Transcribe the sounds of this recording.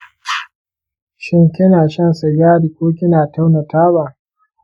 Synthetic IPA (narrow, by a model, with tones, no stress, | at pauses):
ʃɪ˦ŋkʲɪ˦naː˨ʃɐ˦nsa˨jaː˦ɽi˨kʷoː˦kʲɪ˦naː˨ta˦wna˨taː˦baː˨